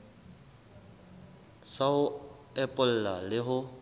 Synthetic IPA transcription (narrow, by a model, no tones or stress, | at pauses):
saʊ | ɛpʼʊl̩lalɪɦʊ